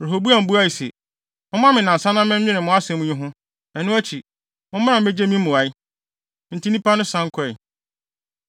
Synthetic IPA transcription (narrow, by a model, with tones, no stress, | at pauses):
ɾe˨ɦo˨bu˦a˨m̩˨bu˦a˦i˨sɛ̰˨ | mʊ̃˦mã˦mɪ̃˨nã˨sã˦nã˦m˦mɪ̃˦m̩˦ɲɪ̃˦nɪ̃˨mʊ̃˨˦a˦sɛ̃˨mũ˦ɲʊ̃˦ɦʊ̃˦ | ɛ˨nʊ̃˦æ˦t͡ɕʰi˨ | mʊ̃˦m̃˦nã˨e˦d͡ʑe˦mĩ˦mʊ̃˨a˨i˦ | n̩˨tʰi˦nĩ˦pʰa˦nʊ̃˦sã˦ŋ̩˦kʰʊ˦ɛ˨